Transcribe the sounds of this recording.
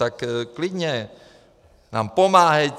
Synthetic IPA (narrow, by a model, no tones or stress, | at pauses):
akəkliɲe | nampomahe